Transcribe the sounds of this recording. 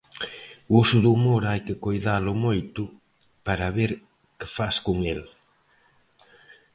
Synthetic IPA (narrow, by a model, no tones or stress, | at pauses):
usʊðumoɾajkɪkojðalʊmojt̪ʊ | paɾɐβeɾ | kɪ̥faskʊŋel